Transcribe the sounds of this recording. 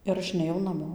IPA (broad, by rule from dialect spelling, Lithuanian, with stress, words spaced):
ɪr ˈɐʃ nʲɛˈjɛʊ nɐˈmoː